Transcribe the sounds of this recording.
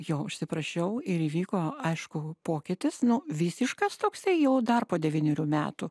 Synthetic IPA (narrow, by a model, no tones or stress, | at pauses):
jɛʊʊʃʲsʲɪpɾɐʃʲɛʊɪɾiːʋʲiːkoːɐɪʃkʊpoːkʲɪt̪ʲɪsnʊʋʲɪsʲɪʃkɐst̪oːksɐɪjɛʊd̪ɐrpoːd̪ʲɛʋʲiːnʲoɾʲuːmʲæːt̪u